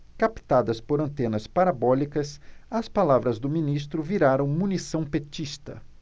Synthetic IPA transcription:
kapi̥t̪ad̪ɐspoɾɐ̃nt̪ẽnɐspaɾabɔlikɐsɐspalavɾɐzd̪ʊminist̪ɾʊviɾaɾɐ̃w̃mũnisɐ̃w̃pet͡ʃist̪ɐ

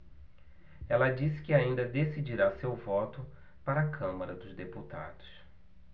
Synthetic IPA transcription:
ɛlɐd͡ʒisɪ̥kɪaĩnd̪ɐd̪esid͡ʒiɾasewvɔt̪ʊ | paɾɐakʰɐ̃mɐɾɐd̪ʊzd̪eput̪a̰d̪ʊs

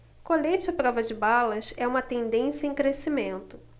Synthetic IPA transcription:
kolet͡ʃɐpɾɔvɐd͡ʒɪbalɐsɛũmɐt̪ẽnd̪ẽsjɐẽkɾesimẽnt̪ʊ

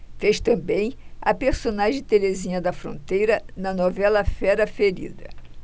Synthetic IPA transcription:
feʃt̪ɐ̃bẽj̃ɐ̰peɾsonaʒẽt̪eɾezĩɲɐd̪ɐfɾõnt̪ejɾɐnɐnovɛlɐfɛɾɐfeɾḭd̪ɐ

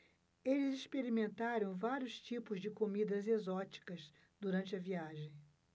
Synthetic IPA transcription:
elɪziʃpeɾimẽnt̪aɾɐ̃w̃vaɾjʊst͡ʃipʊzd͡ʒɪkomid̪ɐzezɔt͡ʃi̥kɐs | d̪uɾɐ̃nt͡ʃɪɐviaʒẽj̃

